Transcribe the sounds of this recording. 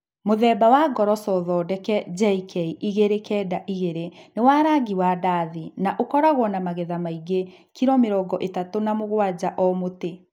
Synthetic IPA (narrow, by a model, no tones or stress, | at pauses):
moðɛːbawaɡɔɾɔsɔðɔːdɛkɛd͡ʒɛikɛiʔiɣeɾekɛːdaʔiɣeɾenewaːɾaɡiwadaðinaʔokɔɾaɣwɔnamaɣeðamaiɡe | kiɾɔmeɾɔɡɔʔetatonamoɣwad͡ʑaʔɔmote